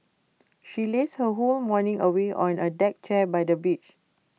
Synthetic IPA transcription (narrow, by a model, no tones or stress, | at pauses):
ʃileshəɦolmɔnĩŋəweʔɔ̃nədɛk̚t͡ʃɛbajdəbit͡ʃ